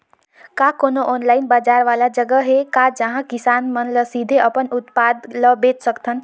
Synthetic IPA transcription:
kaːkoːnoʔɔːnlaːɪnbaːd͡ʒaːɾʋaːlad͡ʒəɡəɦekaːd͡ʒəɦãkɪsaːnmənləsiːd̪ʱeəpənʊt̪paːd̪ləbeːt͡ʃsəkt̪ʰən

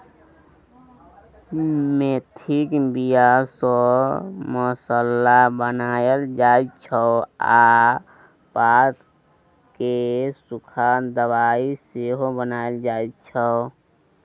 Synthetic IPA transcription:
met̪ʰikbijasɔ | mɔsəlːabənaːjəld͡ʒaːit͡ʃʰɔa | paːt̪ | kesukʰad̪əwaiseɦobənaːjld͡ʒaːit̪t͡ʃʰə

